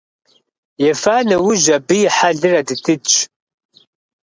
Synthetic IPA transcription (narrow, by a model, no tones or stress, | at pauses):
jɛfaːnɐwʊʒɐbɨjɪħaɮɨrɐdɨtʰɨt͡ʃʼ